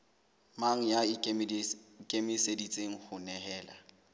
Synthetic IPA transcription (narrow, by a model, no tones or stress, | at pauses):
maŋ̩jaɪ | kʼemɪsedit͡sʼeŋ̩hʊnɛhɛːla̰